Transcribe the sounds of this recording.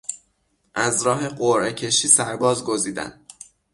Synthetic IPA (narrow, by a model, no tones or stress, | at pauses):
ʔæzɾɒːɦe̞ɢoɾʔecʰe̞ʃiːsæɾbɒːzɡoziːd̪æ̰n